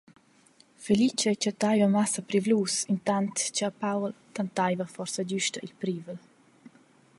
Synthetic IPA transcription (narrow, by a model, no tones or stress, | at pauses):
felit͡ʃɛt͡ʃat̪ajvamasapɾivlusint̪ant̪t͡ʃaapawlt̪ant̪ajvafɔrsad͡ʒyʃtailpɾiːvəl